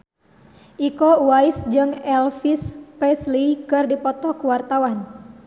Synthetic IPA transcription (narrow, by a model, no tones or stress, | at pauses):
ʔikowaisd͡ʒɨŋɛlfispɾɛslikɨrdipɔt̪ɔkuwart̪awan